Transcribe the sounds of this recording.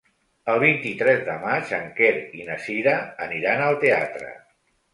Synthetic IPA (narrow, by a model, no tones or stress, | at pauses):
əlˠβ̞int̪it̪ɾɛzðəmat͡ʃəŋkeɾinəsiɾəːniɾanəlˠt̪ea̰t̪ɾə̰